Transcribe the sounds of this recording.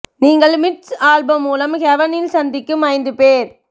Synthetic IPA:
niːŋɡɐɭmɪʈsaːɭbɐmːuːlɐmkɛʋɐnɪlsɐnd̪ɪkːɯmɐɪnd̪ɯpeːɾ

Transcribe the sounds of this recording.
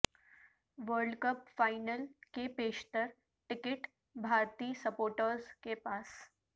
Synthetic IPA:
ʋəɾɖkəpfajnəlkepeɕt̪əɾ | ʈikiʈ | bʱaɾt̪iːsəpoɾʈəɾskepas

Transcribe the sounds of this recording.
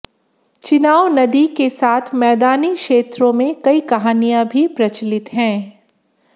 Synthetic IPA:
t͡ʃɪnaːonɐd̪ikesaːt̪ʰmɛːd̪aːnikʃeːt̪ɾõmẽkɐikɐɦaːnijãbʱipɾɐt͡ʃlɪt̪ɦɛ̃ː

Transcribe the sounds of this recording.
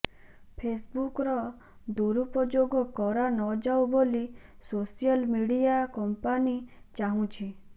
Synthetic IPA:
pʰesbukɾɔ | d̪uɾupɔd͡ʒoɡɔkɔɾanɔd͡ʒawbolisosijɔlmiɽijakɔmpanit͡ʃaɦũt͡ʃʰi

